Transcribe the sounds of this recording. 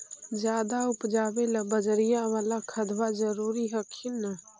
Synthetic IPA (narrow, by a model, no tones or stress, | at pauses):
d͡ʒjaːd̪aʊpd͡ʒaːbeləbəd͡ʒɾɪjawaːlakʰəd̪wad͡ʒəɾuːɾiɦəkʰinə